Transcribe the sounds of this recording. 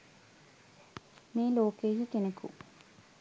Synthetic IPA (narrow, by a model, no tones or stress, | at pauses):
meːloːkeːɦikenəkṵ